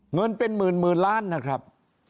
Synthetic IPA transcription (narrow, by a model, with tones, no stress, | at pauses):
ŋɤ˧npe˧nmɯː˨˩nmɯː˨˩nlaː˦˥˩nːa˦˥kʰɾa˦˥p̚